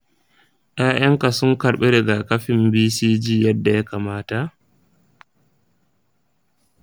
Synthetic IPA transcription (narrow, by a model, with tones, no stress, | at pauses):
ʔaː˦j̰ɐ˦ŋka˨sʊ˦ŋkɐ˨ɽɓe˦ɾɛ˨ɡa˨kɐ˦ɸɪ˨mbiː˦siː˦d͡ʒiː˦jɐ˦dːa˨ja˦kaː˨maː˦ta˨ʔ